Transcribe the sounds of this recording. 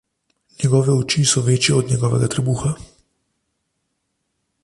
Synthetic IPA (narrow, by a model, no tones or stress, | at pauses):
njɛɡɔːʋɛut͡ʃisɔʋeːt͡ʃjɛɔd̪nʲjɛɡɔːʋɛ̰ɡat̪ɾɛbuːxa